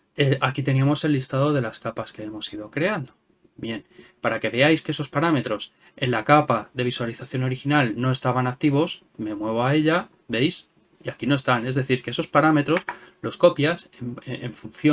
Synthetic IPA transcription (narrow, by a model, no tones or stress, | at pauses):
eakit̪e̞niamo̞se̞lːist̪aðo̞ðe̞laskapaske̞e̞mo̞sið̞o̞kɾe̞and̪o̞ | bje̞npaɾake̞βe̞ajske̞eso̞spaɾame̞t̪ɾo̞s | e̞nlakapaðe̞β̞iswaliθaθjo̞no̞ɾixinalno̞e̞st̪aβ̞anak̚t̪iβo̞s | me̞mwe̞βo̞ae̞ʎa | be̞js | iakino̞e̞st̪ane̞zðeθiɾke̞eso̞spaɾame̞t̪ɾo̞slo̞sko̞pjaseeɱfunθjo